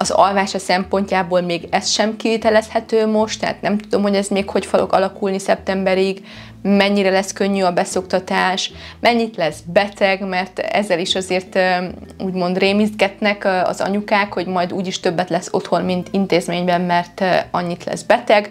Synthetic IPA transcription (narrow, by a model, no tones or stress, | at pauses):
ɒzɒ̰lvaːʃɒsɛmpo̞ɲcaːboːlmeːɡɛst̪ʃɛmkivit̪ɛlɛshɛt̪øːmo̞ʃt̪ːɛɦa̰ːt̪nɛmt̪ud̪o̞mho̞ɟɛzmeːkho̞cfɒlo̞̰ɡɒ̰lɒkulnisɛp̚t̪ɛmbɛɾiɡ | mɛɲːiɾɛlɛskø̞ɲːyɒbɛso̞kt̪ɒt̪aːʃmʔɛɲːit̪lɛzbɛt̪ɛɡmɛrt̪ɛ̰zːɛliʃɒzeːrt̪uːɟmo̞nd̪reːmizd̪ɡɛt̪nɛkɒ̰zɒ̰ɲukaːkho̞ɟmɒjd̪uːɟiʃt̪øbːɛt̪lɛsːo̞t̪ho̞nmint̪ʰint̪eːzmeːɲbɛmːɛrt̪ɒɲːit̪lɛ̰zbɛt̪ɛɡ